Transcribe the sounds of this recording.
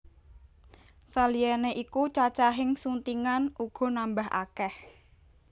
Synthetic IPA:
salijɛneʔikut͡ʃat͡ʃaɦɪŋsunt̪iŋanʔuɡ̥ɔ̤nambaɦa̰kɛh

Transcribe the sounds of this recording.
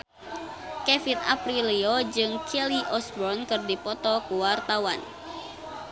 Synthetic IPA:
kɛfina̰pɾiliɔd͡ʒɨŋkʰɛliʔɔsbɔnkɨrdipɔt̪ɔkuwart̪awan

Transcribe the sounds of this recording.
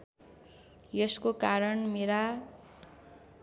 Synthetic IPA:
jʌskokaɾʌɳmeɾa

